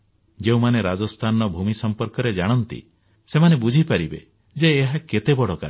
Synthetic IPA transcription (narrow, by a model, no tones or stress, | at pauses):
d͡ʒeũmaneɾad͡ʒɔst̪ʰanɔbʱumisɔmpɔɾkɔɾed͡ʒaɽ̃ɔnt̪ḭ | semanebud͡ʒʱipaɾibḛ | d͡ʒeːɦaket̪ebɔɽɔka̰ɾ